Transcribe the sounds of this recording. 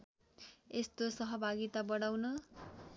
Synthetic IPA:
est̪osʌɦʌbʱaɡit̪abʌɽ̃awnʌ

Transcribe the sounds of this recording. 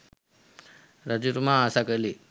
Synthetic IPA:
ɾad͡ʑuɾmaːsakəli

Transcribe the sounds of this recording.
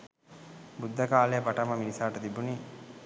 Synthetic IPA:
bud̪ʱːɐkaːlejəpaʈɐmɐminisaːʈɐt̪ibuni

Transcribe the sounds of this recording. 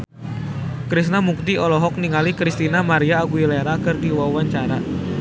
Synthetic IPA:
kɾisnamuk̚t̪iɔlɔɦɔk̚niŋalikɾist̪inamaɾiaːɡuileɾakɨrdiwawaɲt͡ʃaɾa

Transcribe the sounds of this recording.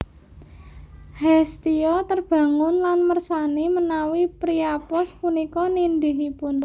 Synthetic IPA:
hɛst̪iɔt̪ərb̥ä̤ŋʊnlanmərsanimənawipɾiapɔspunikɔnind̪iɦipun

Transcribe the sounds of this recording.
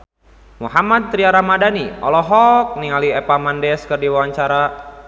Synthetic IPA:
muɦamad̪̚t̪ɾiaɾamadaniɔ̰lɔɦɔk̚niŋaliɛpamandɛskɨrdiwawaɲt͡ʃaɾa

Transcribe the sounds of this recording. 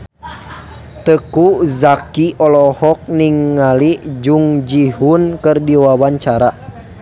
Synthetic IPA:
t̪əkuzakiʔɔlɔhɔk̚niŋːalid͡ʒuŋd͡ʒihunkɨrdiwawaɲt͡ʃaɾa

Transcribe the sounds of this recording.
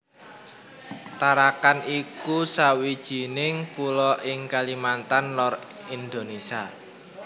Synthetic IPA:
t̪aɾakanikusawid̥ʒ̥i̤nɪŋpulɔʔɪŋkalimant̪anlɔr | ind̪onesia

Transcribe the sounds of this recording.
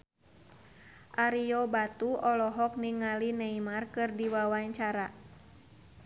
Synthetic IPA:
ʔaɾijɔbat̪uɔlɔɦɔk̚niŋalinɛimarkɨrdiwawaɲt͡ʃaɾa

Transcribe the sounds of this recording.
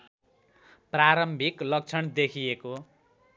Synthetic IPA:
praɾʌmbʱiklʌk̚t͡sʰʌnd̪ekʰijeko

